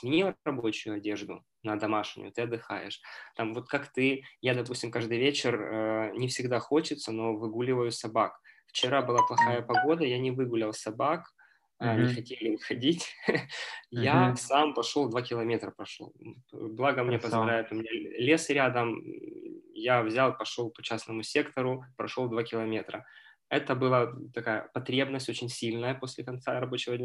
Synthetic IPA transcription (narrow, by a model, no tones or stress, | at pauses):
mʲɪnʲiɐbo̞t͡ɕʊjʊɐdʲe̞ʐd̪ʊ̰ | nɐd̪ɐmaʂnʲʊ̰jʊt̪ɨɐd̪ːɨxa̰jɪ̰ʂt̪amvo̞t̪kakt̪ɨjad̪ɐpusʲtʲɪmkaʐd̪ɨjvʲet͡ɕɪrənʲɪfsʲɪɡd̪axo̞t͡ɕɪt̪səno̞vɨɡulʲɪvəjʊsɐbakft͡ɕɪɾabɨlˠaplˠɐxajəpɐɡo̞d̪əjanʲɪvɨɡʊlʲɪlˠsɐbakː | nʲɪxɐtʲelʲɪmxɐdʲitʲ | jasampɐʂolˠd̪vakʲɪlˠɐmʲe̞t̪ɾəpɾɐʂo̰lˠblˠaɡəmnʲepəzvɐlʲæjɪt̪ʊmʲɪnʲalʲe̞sɾʲad̪əm | javzʲalˠpɐʂo̞lˠpɐ̥t͡ɕasnəmʊsʲe̞kt̪əɾʊpɾɐʂolˠd̪vakʲɪlˠɐmʲe̞t̪ɾə | ɛt̪əbɨlˠat̪ɐkajə̰pɐt̪ɾʲe̞bnəsʲtʲo̞t͡ɕɪnʲsʲilʲnəjəposʲlʲɪkɐnt̪saɾɐbo̞t͡ɕɪvədʲnʲ